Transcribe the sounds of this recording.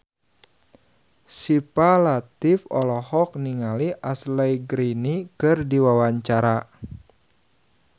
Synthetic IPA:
sipalat̪ifɔlɔhɔk̚niŋaliʔaslajɡɾinikɨrdiwawaɲt͡ʃaɾa

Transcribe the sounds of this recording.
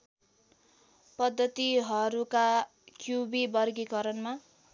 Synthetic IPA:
pʌd̪ʱːʌt̪iɦʌɾuka | kjubibʌrɡikʌɾʌnma

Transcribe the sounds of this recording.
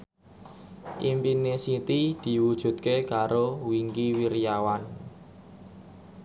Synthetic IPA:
ʔimpinesit̪id̪̥i̤wud̥ʒ̥ṳt̪̚kekaɾowiŋkiwiɾijawan

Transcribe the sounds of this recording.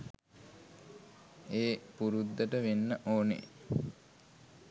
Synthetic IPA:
eːpuɾud̪ːəʈəʋenːəʔoːnḛ

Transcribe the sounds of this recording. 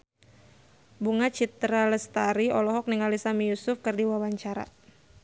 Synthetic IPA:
buŋat͡ʃit̪ɾaləst̪aɾiɔlɔɦɔk̚niŋalisamijusʊfkɨrdiwawaɲt͡ʃaɾa̰

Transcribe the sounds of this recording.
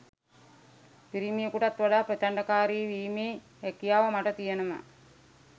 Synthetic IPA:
piɾimijəkuʈat̪ʋaɖaːpɾet̪aɳɖɐkaːɾiʋiːmeː | hekijaːʋəmaʈət̪ijenəma̰

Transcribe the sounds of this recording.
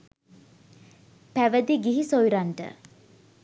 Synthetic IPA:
pæʋəd̪iɡiɦisojɾaɳʈə̰

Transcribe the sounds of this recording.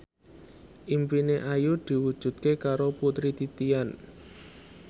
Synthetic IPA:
ʔimpineʔajud̪̥i̤wud̥ʒ̥ṳt̪̚kekaɾoput̪ɾit̪it̪ian

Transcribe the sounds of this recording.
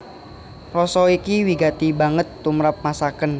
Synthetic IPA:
rɔsɔikiwiɡat̪ibaŋət̪ːumɾap̚masakən

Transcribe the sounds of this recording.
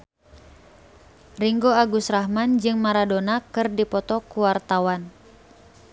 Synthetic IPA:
riŋɡoaɡusrahmand͡ʒɨŋmaɾadonakɨrdipɔt̪ɔkuwart̪awan

